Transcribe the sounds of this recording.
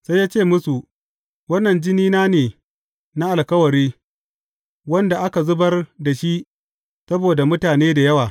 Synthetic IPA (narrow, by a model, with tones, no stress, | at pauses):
sa˦jːaː˦t͡ʃeː˦˨mʊ˦su˨ | wɐ˦nːɐ˨nd͡ʒɪ˦niː˦naː˦neː˨ | na˦ʔa˨lkɐ˦wɐ˨ɾiː˦ | wɐ˦nda˨ʔa˦ka˨zʊ˦bɐ˦rda˨ʃi˦ʔ | sɐ˦boː˨da˨mʊ˦taː˨neː˦da˨jɐ˦waː˨